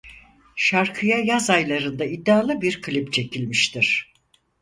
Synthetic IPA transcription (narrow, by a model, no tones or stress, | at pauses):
ʃaɾkʰɯjajazajlˠaɾɯnd̪aid̪ːaːlˠɯbiɾkʰɯlʲipt͡ʃʰe̞cʰilʲmiʃt̪ʰiɾ̝̥